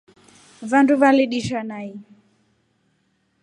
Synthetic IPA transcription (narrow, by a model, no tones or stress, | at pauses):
vanduvaliɗiʃanai